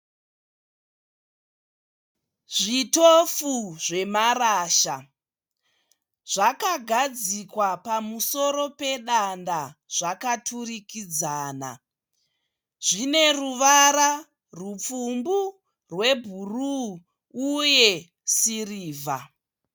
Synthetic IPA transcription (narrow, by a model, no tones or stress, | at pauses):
ʐitofuʐe̞maɾaːʃa | ʐ̥akaɡʱad͡zikwapamuso̞ɾo̞pe̞ɗandaʐ̥akatʰurikid͡zaːna̰ | ʐ̥ine̞ruʋaɾa | rup͡fumbu | rwe̞bʱuru | uje̞ | siriːvʱa̰